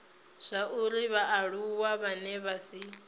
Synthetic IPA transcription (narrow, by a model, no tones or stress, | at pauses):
z̥ʷaʔuɾiβaʔaɺuwaβanɛβasi